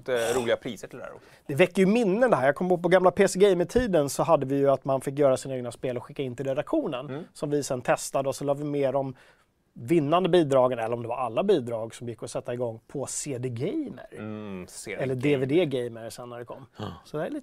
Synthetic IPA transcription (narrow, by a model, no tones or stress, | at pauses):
t̪əɾuːlɪɡapʰɾiːsəʈʰɪld̪æ̰ːɾɔ̰sd̪̥ɛvɛkːəjɵmɪnːənd̪ɛɦæːɾjakɔmːbɔpɔɡamlapʰeːsɛɡɛjməʈʰiːd̪ənsɔɦad̪ːəvɪjɵat̪manfɪk̬ːjœːɾasiːnaeːɡnaspeːlɔɧɪkːaɪnt̪ɪlɾɛd̪akɧuːnənsɔmvɪsɛnt̪ʰɛst̪ad̪əɔsɔlɑːvɪmeːɾɔm | vɪnːand̪əbiːd̪ɾɑːɡənɛlːəɾɔmd̪ɛva̰ɾalːabiːd̪ɾɑːɡsɔmjɪkːɔsɛt̪ːaɪɡɔŋːpʰɔseːd̪eɡɛjmə̰ɾsɛlːəd̪eveːd̪eːɡɛjməɾsɛnːæɖɛkʰɔ̰mːsɔd̪ɛæliːt̪